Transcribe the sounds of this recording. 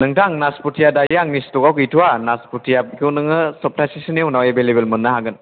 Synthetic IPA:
nɯŋtaŋnasputʰijadajaŋnistɔkawkitʰuwanasputʰijab̚kʰunɯŋɯsɔp̚tʰasisineunawjebelebelmunːaɦaɡɯn

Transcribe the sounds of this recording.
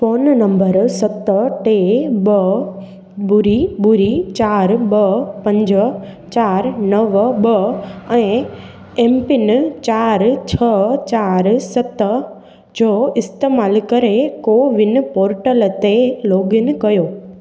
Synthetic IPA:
foːnnɐ̃mbəɾsɐt̪əʈeːɓɐ | bʊɾibʊɾit͡ɕaːɾɓɐpɐ̃ɲd͡ʑət͡ɕaːɾnɐʋɓɐɛ̃ː | eːmpɪnɪ̆t͡ɕaːɾt͡ɕʰɐt͡ɕaːɾsɐt̪ə | d͡ʑoːɪst̪eːmaːlkɐɾekoːʋɪnɪ̆poːɾʈəlt̪eloːɡɪnɪ̆kɐjoː

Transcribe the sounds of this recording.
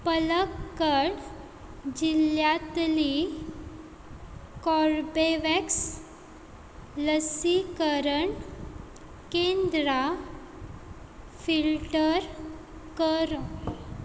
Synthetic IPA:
pələkːəɽ | d͡ʑiljat̪li | kɔɾbeʋɛks | ləsikəɾəɳ | kend̪ɾa | filʈəɾ | kəɾ

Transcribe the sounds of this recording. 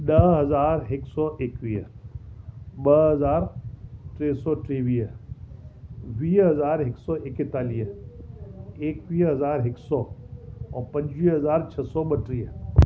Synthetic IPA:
nɐɦɐzaːɾɦɪksɔːʔeːkwiːə̰ | bɐɦɐzaːɾʈɾeːsɔʈɾeːʋijə | ʋiːɦɐzaːɾɦɪksɔːʔekɪt̪ːaːliə | eːkʋiːɦɐzaːɾɦɪksɔːɔːɾpɐ̃ɲd͡ʒwiːɦɐzaːɾt͡ʃʰɐsɔbɐʈɾijə

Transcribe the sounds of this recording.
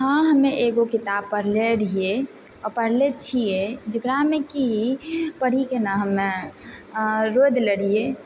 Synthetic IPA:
ɦə̃ɦəmẽʔeɡokɪt̪ab̚pːəɾleɽie | ɔɾpəɽlet͡ʃʰijed͡ʒəɡɽameki | pəɽ̤ikenaɦəmːe | ɾod̪ləɽije

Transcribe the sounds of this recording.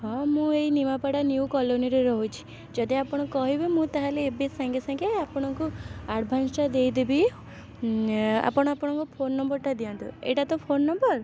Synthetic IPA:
ɦɔ̃mũejnimapaɽanjiukɔloniɾeɾɔɦut͡ʃʰi̥ | d͡ʒɔd̪iapɔɽ̃ɔkɔɦibimũt̪aɦaleːbesaŋɡesaŋɡeapɔɽ̃ɔ̃ŋkuaɽbʱant͡ʃad̪ejd̪ebi | a̰pɔɽ̃ɔapɔɽ̃ɔ̃ŋkupʰonːɔmbɔɾʈad̪iãnt̪ṵḛʈat̪ɔpʰonːɔmbɔɾ

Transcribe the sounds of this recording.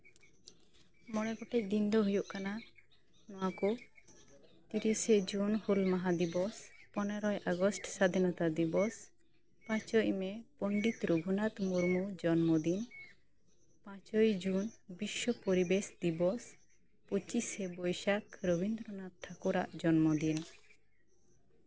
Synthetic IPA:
mɔɽ̃ɛpɔʈɛʔ̚ɡ̪ind̪ʱɔɦujuʔkana | nɔwaku | t̪eɾised͡ʒunhulmaɦad̪ibɔspɔnɛɾɔjʔaɡɔsʈsad̪ʱinɔt̪ad̪ibɔs | pãt͡ʃɔjmɛpɔɳɖit̪ɾubʱunat̪muɾmud͡ʒɔnmod̪in | pãt͡ʃɔjd͡ʒunbiʃːɔpoɾibeʃd̪ibɔs | pot͡ʃisebɔjʃakɾɔbind̪ɾɔnat̪ʰːakuɾaʔd͡ʒɔnmod̪in

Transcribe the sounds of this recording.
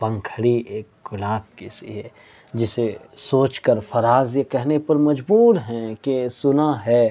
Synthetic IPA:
bɐ̃ŋkʰəɽiʔeːkɡʊlaːb̚kɪsḭɦɛ | d͡ʒɪsesoːt͡ʃkəɾfʰɐɾaːzjekɛɦnepɐɾmɐd͡ʒbuːɾɦɛ̃kesʊnaɦɛː

